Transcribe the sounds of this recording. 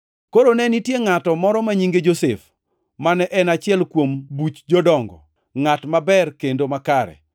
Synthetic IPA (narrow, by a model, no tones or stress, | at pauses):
koɾonɛnitjeŋatɔmɔɾɔmaɲiŋɡed͡ʒosef | manɛʔɛnat͡ʃɪɛlkwombut͡ʃd͡ʒɔdɔŋɡɔ̰ | ŋatmabɛrkendomakaɾɛ̰